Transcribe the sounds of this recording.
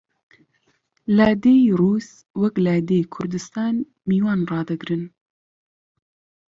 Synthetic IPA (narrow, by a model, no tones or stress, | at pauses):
lad̪eruːs | wɛklaːd̪eːjkʰʊɾd̪ɨst̪ɑːn | miːwɑːnrɑːd̪ɨɡɾɨn